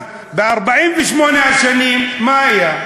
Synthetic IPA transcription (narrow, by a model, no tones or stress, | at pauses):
bɪʔɑɾˤbaʕiːnfiʃmoːnʕaʃaniːnmaija